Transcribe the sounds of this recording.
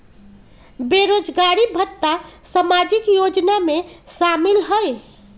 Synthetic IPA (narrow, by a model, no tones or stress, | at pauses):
beɾod͡ʒɡaɾibʱət̪ːasəmad͡ʒikjod͡ʒnamesamilɦəj